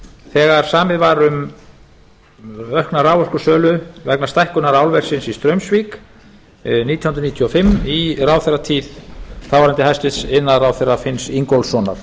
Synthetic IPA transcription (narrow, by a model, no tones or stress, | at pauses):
θɛːɣaɾ̥saːmɪðvaɾʏm | œhknaɾaːwɔr̥kʏsœːlʏvɛknast̪ajhkʏnaɾaːwlvɛr̥sɪnsist̪ɾœɥmsvik | niːt̪jhʏnɾniːt̪ʰjɔfɪmːiraːwθɛrːat̪ʰiːð̥θawvaɾɪnt̪ɪhajst̪ɪðsɪnːaðɾawθɛrːafɪnsiŋkɔlsɔna̰ɾ̥